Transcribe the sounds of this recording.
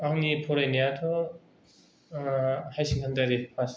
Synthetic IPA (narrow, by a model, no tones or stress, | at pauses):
aŋnipʰɔɾajnijatʰɔ | hajsiŋhʰandaɾipʰas